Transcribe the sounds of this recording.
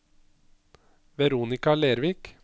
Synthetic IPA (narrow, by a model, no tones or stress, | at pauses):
ʋɛɾuːnɪkɑleːɾʋiːk